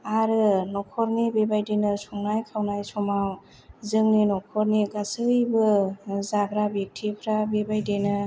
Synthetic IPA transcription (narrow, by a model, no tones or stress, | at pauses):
aɾɯnɔkʰɔɾnibebajdenɯsɔŋnajkʰawnajsɔmaw | zɯŋninɔkʰɔɾniɡasɯjbɯzabʰɾabek̚tʰipʰɾabebajdenɯ